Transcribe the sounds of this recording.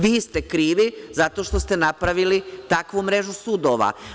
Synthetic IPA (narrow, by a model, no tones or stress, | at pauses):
ʋiːst̪e̞kɾiːʋizat̪o̞ːʃt̪o̞st̪e̞napɾaʋilit̪akʋumɾe̞ʒusuːd̪o̞ʋa̰